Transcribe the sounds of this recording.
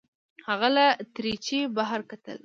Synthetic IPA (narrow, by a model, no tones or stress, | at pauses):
haɣalat̪ɾit͡ʃebaɦaɾkat̪ə̰l